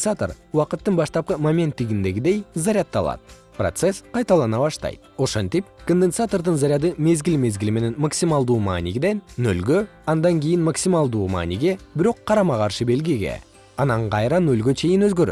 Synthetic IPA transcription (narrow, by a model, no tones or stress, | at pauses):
sat̪o̰r | uwɑqət̪ːəɴbɑʃt̪ɑp̚qəmomʲe̞nt̪ːɪɡʲɪnd̪e̞ɡʲɪd̪e̞jzɑɾʲjɑt̪ːɑlˠɑ̰d̪ | prot̪se̞sqʰɑjt̪ɑlˠɑnɑβɑʃt̪ɑ̰jd̪o̞ʃont̪ip̚kond̪ensat̪o̞rd̪ənzɑɾʲjɑd̪əme̞zɡʲɪlme̞zɡʲɪlme̞ne̞nmaksʲimɑlˠd̪uːma̰nʲiɡʲd̪e̞nnɵ̰lɡʲø | ɑnd̪ɑŋkʲe̞jɪnmaksʲimɑlˠd̪uːma̰niɡʲe̞bɪɾo̞qʰːɑɾɑmɑqɑɾʃəbe̞lɡʲiɡʲe̞̰ | ɑnɑɴqɑjɾɑnɵlɡʲe̞t͡ʃʰe̞jɪnɵzɡøɾø̰